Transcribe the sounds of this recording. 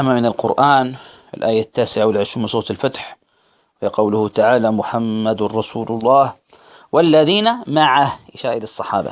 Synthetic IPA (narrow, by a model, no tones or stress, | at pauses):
amamɪnɪlqʊ̰ɾʔaːn | ɪ̰lʔaːjat̪ːaːsɪʕawɪlʕɪʃɾuːmsˤoːt̪ɪlfat̪ħ | wqɑwlʊhʊt̪aʕaːlamʊħamːad̪ˤɑsuːlʊlˤːɑːh | walːaðiːnamaʕahʔɪʃaːʔɪlɑsˤːɑħɑ̰ːba̰